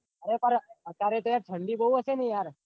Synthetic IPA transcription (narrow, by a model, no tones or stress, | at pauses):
əɾepəɾət̪ːaɾet̪ojaɾʈ̪ʰə̃ɳɖibʱəuəsenəĩjaɾ